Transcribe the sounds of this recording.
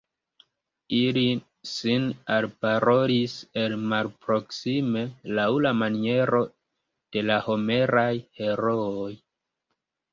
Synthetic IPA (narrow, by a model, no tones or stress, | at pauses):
ili | sinalpaɾo̞ɾise̞lmalpɾo̞ksime̞lawlamanie̞ɾo̞ | d̥e̞laho̞me̞ɾajhe̞ɾooj